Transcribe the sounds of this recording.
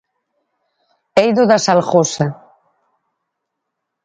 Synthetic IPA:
ejðoðasalxosa

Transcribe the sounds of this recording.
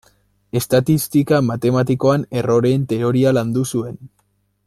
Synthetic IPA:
e̞st̪at̪ist̪ikamat̪e̞mat̪iko̞ane̞ro̞ɾe̞ːnt̪e̞o̞ɾialand̪usue̞n

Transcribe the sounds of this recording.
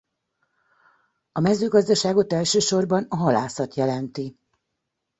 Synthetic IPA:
ɒmɛzøːɡɒzd̪ɒʃaːɡo̞t̪ɛlʃøːʃo̞rbɒnɒɦɒlaːsɒt̪jɛlɛnt̪i

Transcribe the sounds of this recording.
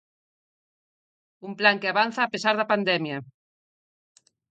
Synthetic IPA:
umplaŋkeaβan̟θaːpesaɾðɐpand̪ɛmjɐ

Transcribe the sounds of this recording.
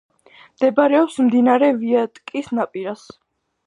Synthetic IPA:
md̪̥ɛbaɾɛɔpsmd̪inaɾɛviat̪ʼkʼisnapʼiɾas

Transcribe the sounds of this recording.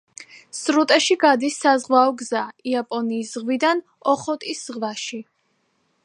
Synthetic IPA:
sɾut̪ʼɛʃiɡad̪isːazʁwaɔɡzaiapʼɔniːsʁwid̪an | ɔχɔt̪ʼisʁvaʃi

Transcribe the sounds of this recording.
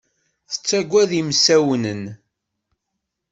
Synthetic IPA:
θə̥t͡sːæɡʷːæðimsæwnən

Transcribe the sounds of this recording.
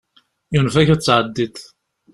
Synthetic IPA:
junfæçæt͡sːʕəd̪ːiθ

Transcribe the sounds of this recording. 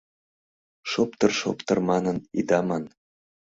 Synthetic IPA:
ʃopt̪ɤrʃo̰pt̪ɤrmɑnənid̪ɑmɑn

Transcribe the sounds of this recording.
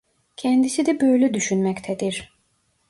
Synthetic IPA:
cʰɛnd̪isid̪ɛbø̞jlʲɛd̪yʃynmɛct̪ʰɛd̪iɾ̥

